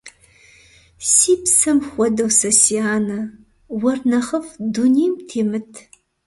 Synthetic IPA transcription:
siːpsɐmxʷɔdɐwsɐsiaːnɐ | wɐrnɐχəfdunijmtʰeːmɨtʰ

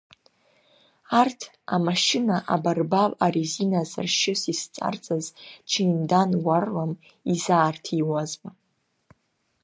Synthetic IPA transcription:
artʰ | amaʃɪnaʔabarbalaɾizinaza̰rʃɪsist͡sʼa̰rt͡sʼazt͡ʃʰiimdanwarlam | izaːrtʰiwazba

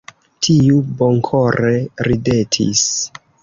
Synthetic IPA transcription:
tʰiuboŋkʰoɾeɾide̞tʰḭs

